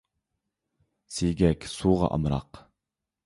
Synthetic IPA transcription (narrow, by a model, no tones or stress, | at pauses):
siɡʲɛkʲsuːʁɑ̰ʔɑ̰mɾɑ̰q